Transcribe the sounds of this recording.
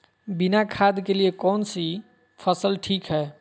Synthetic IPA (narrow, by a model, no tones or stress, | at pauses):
binakʰad̪keliekɔnsi | pʰəsəlʈʰikɦɛː